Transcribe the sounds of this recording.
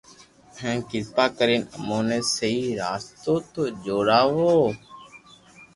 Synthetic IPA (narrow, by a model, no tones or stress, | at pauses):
hẽːkɪzt̪aːkəɾiːnəmoːneːsəiːɾaːst̪oːt̪oːd͡ʒoːɾaːʋoː